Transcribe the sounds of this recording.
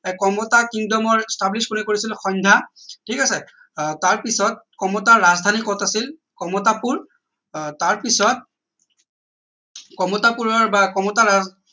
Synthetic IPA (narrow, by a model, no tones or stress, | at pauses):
ɛkɔmɔtakiŋdɔmɔɹstabliskunikoɹisilxɔɲdʱatʰikasɛ | taɹpisɔt̚kɔmɔtaɹazdʱanikɔtasil | kɔmɔtapuɹ | taɹpisɔt̚ | kɔmɔtapuɹɔɹbakɔmɔtaɹa